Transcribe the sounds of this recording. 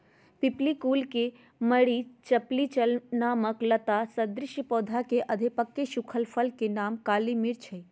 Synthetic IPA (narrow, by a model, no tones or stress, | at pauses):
piplikuːlke | məɽit͡ʃɐplit͡ʃəlnaːməklɐt̪asəd̪ɾɪʃjəpɔːd̪ʱakeʔɐd̪ʱipəkːeʃʊkʰəlpʰəlkenaːmkaːlimiɾt͡ʃʰəj